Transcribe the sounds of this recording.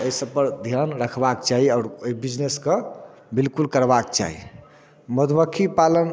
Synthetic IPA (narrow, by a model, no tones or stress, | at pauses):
əisəbpəɾd̪ʱjanɾəkʰbakt͡ʃaɦiaɾoibid͡ʒneske | bilkulkəɾbakt͡ʃa̰ɦḭ | məd̪bəkʰipalən